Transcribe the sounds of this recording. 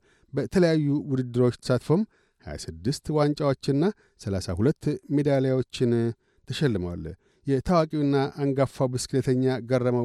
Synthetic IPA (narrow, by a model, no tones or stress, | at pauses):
bət̪ʰələjajːuwʊd̪ɨd̪ːɨɾo̞t͡ʃːt̪ʰə̥sat̪fo̞m | haja̰sɨd̪ːɨst̪want͡ʃʼawo̞t͡ʃːɪɨnːa | səlasa̰hulət̪ːme̞d̪alejwo̞t͡ʃːɪn | t̪ʰəʃɛlːɨməwa̰l | jɛt̪ʰawakʼiwɨnːaʔaŋɡafːabɨskʰɨlət̪ʰəɲːaɡərːəmə